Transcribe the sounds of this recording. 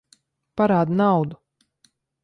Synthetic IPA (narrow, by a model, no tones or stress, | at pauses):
paɾaːd̪nawd̪u